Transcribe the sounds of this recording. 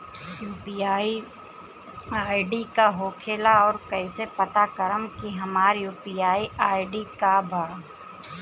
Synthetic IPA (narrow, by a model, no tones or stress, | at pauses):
juːpiaːi | aːɪɖikaɦoːkʰeːlaɔːɾkɐːɪsepɐt̪akəɾəmkiɦɐmaːɾjuːpiːaːiʔaːɪɖikabʱaː